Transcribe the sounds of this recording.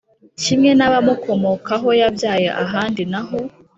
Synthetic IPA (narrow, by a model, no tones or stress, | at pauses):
cimŋe̞naβamuko̞mokaɦo̞jabjaːjeʔaɦaːndinaɦo̞